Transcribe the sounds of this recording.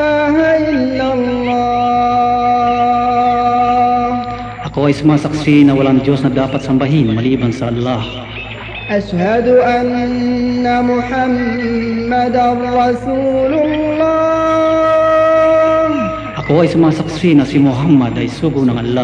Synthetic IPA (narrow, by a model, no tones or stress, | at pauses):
aːɦaʔɪlːalːɑ | ʔɐkoɐjsʊmaːsɐksinɐwɐlaŋd͡ʒjosnɐd̪aːpɐt̪sɐmbɐɦɪnmɐliːbɐnsɐʔɐlːah | ʔaʃhad̪ʊʔanː | amʊħamː | ad̪ɾɑsuːlʊllːɑ | h | ʔɐkoɐjsʊmaːsɐksinɐsimʊɦamːɐd̪ɐjsuːɡʊnɐŋʔɐlːa